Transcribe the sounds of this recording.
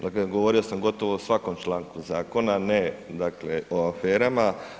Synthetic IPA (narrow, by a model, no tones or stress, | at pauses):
d̪akleɡoʋoɾio̞samɡo̞t̪o̞ʋosʋakomt͡ʃlaːŋkuzaːko̞naned̪akleoafeːɾama